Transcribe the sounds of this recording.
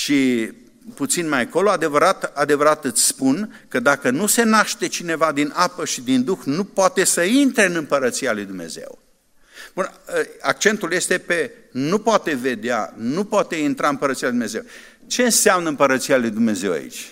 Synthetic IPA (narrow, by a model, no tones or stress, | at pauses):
ʃi | put̪sinmajko̞load̪e̞vəɾat̪ad̪e̞vəɾat̪ɨt̪sʲspunkəd̪akənuse̞naʃt̪e̞t͡ʃine̞vad̪inʔapəʃid̪ind̪uxnupoat̪e̞səint̪ɾe̞ɨnɨmpəɾət̪sijalujd̪umne̞̰ze̞̰w | bunəak̚t͡ʃe̞nt̪ulje̞st̪e̞pe̞ | nupoat̪e̞ve̞d̪ea̰nupoat̪e̞int̪ɾaɨmpəɾət̪sialud̪umnezew | t͡ʃe̞ɨnseamnəɨmpəɾət̪sijalujd̪umne̞ze̞wa̰ḭt͡ʃʲ